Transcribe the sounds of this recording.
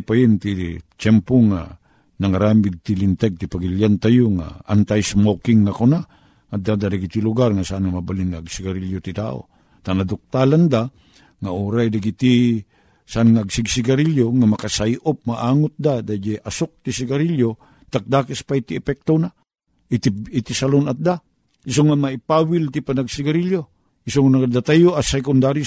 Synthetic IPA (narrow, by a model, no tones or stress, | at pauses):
pajɪnt̪it͡ʃɛmpoŋa̰ | naŋaɾambɪɡ̚t̪ilɪnt̪ɛɡ̚t̪ɪpaɡɪljant̪ajoŋa̰a̰nt̪ajsmokɪŋːakona | ŋad̪ad̪ad̪aɡit̪ilʊɡarŋasaʔanŋamabalɪŋːaːɡsɪɡaɾiljot̪ɪt̪a̰ːʔo̰ | t̪anad̪ʊk̚t̪aland̪a | ŋaʔuɾajd̪aɡit̪i | saʔanŋaʔːɡsɪɡsɪɡaɾiljoŋamakasajʔop̚maʔaːŋʊt̪̚d̪ad̪ad͡ʒeʔasok̚t̪isɪɡaɾiljo | t̪ak̚d̪aːkɪspait̪iɛpɛk̚t̪ona | ʔɪt̪iit̪isalonat̪̚d̪a | ʔɪs̬oŋamaɪpawɪlt̪ipanaɡsɪɡaɾiljo | isoŋanakad̪at̪ajoʔasɛkʊnd̪aɾi